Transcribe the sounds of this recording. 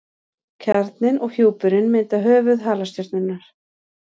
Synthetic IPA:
cʰɛɾt̪nɪnʔɔɣhjoːwpʏɾɪnmejnt̪aɦœːvʏðɦaːlast̪jœɾt̪nɪnːaɾ̥

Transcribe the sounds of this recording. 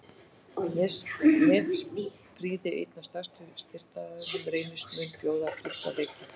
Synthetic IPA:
nɪsmɛt̪s | pɾiːðɪḛjt̪nḁst̪ast̪ʏst̪ɪr̥t̪aðanʏmɾeːjnʏsmʏnpjoːwðafɾɪht̪a̰leːjk̪ɪ

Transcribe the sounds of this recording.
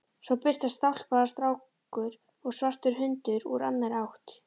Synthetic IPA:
svɔwpɪr̥t̪ast̪al̥paðast̪ɾaːw | kʏɾ | ɔɣsvar̥t̪ʏɾɦʏnt̪ʏɾṵɾa̰nːajɾawht̪

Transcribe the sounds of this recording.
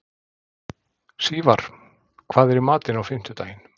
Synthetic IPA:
siːvaɾ̥ | kʰv̥aːðɛɾɪɾmaːt̪ɪnawfɪm̥t̪ʏt̪aːjɪn̥

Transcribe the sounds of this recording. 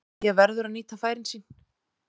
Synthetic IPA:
jɛɣvɛɾðʏɾaðniːt̪afaːjɾɪnsiːn

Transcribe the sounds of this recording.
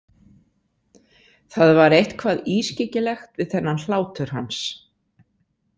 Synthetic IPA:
θaðvaɾejht̪kʰvaːðiːscɪcɪlɛxt̪vɪðθɛnːanl̥aːwt̪ʏɾ̥ɦans

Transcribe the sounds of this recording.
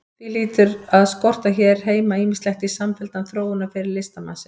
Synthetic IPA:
θiliːt̪ʏɾaðskɔr̥t̪açɛːɾ̥ɦeːjmaiːmɪslɛxt̪isamfɛlt̪anθɾoːwʏnafɪɾɪɾlɪst̪ama̰ːsɪn

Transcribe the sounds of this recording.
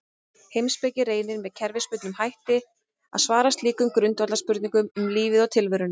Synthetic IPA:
hejmspejcɪreːjnɪɾmɛðcʰɛɾvɪspʏt̪nʏmhajht̪ɪ | a̰ðsvaːɾast̪liːkʏmkɾʏnt̪vat̪laɾspʏɾt̪niŋkʏmʏmliːvɪðɔwt̪ʰɪlvʏɾʏn

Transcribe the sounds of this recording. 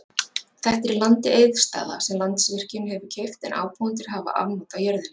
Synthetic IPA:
θɛht̪ɛɾɪlant̪ɪʔeːjðst̪a̰ːða̰sɛmlant̪svɪr̥cʏmɦɛvʏcʰejft̪ɛ̰nʔa̰ːwpʰawant̪̬ɪɾ̥ɦaːva̰ʔa̰vnɔwt̪ajœɾðɪn

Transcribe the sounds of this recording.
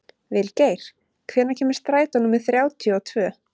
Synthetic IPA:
vɪlceːjɾ̥ | kʰvɛːɾnacʰɛːmɪ̥ɾ̥st̪ɾaːjt̪anumːɪðθɾjaːwt̪ʰjɔɔt̪ʰvœː

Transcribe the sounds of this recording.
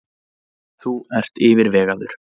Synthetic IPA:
θuɛr̥t̪ɪːvɪɾvɛːɣaðʏɾ̥

